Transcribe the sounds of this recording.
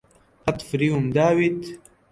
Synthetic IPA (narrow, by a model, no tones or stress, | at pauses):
ɑt̪ˤfɾiumd̪aːwit̪